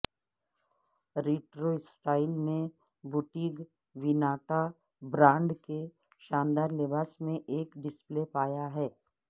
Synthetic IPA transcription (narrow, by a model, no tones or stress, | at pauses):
ɾiːʈɾoɪsʈaːɪlne | bʊʈiːɡ | ʋɪnaːʈa | bɾãːɳɖke | ʃãːnd̪aːɾlɪbaːsmẽʔeːkɖɪsplepaːjaɦɛː